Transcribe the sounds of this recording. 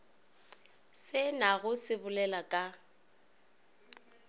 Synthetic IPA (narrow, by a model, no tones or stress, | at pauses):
sɪnaɣʊsɪbʊlɛlakʼa